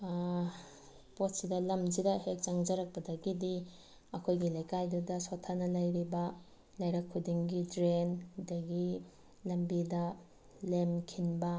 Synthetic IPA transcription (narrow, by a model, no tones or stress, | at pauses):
pot̚sidɐlɐmd͡ʒidɐhek̚t͡ʃɐŋd͡ʒɐɾɐk̚pɐdɐɡidi | ɐkʰojɡilɐjkajdudɐsotʰːanɐlɐjɾibɐ | lɐjɾɐkʰːudiŋɡidɾendɐɡi | lɐmbidɐ | lemkʰinbɐ